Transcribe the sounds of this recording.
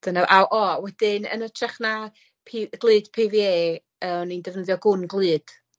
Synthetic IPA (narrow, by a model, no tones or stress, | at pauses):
d̥ənaʔawʔɔwɛd̥ɪnə̰nətʰraχna | pʰiɡ̥lˠɨːd̥pʰiːvieː | əːnindɛvnəðjɔɡʊnɡlˠɨːd̥